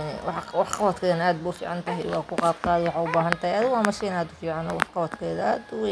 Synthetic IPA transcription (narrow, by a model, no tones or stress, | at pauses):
wɑħwɑħqɑwɐt̪kʰɛːnaːd̪bʊfḭːʕɑnt̪ɐɦɛwɑ̰ːkʰʊqɑːbt̪aːwɑħɑʊbaːɦɐnt̪ɐhɛʔad̪waːmɐʃɛnaːd̪ʊfiːʕɑnɔ̰wɑħqɑwɐt̪kʰɛːðaːd̪w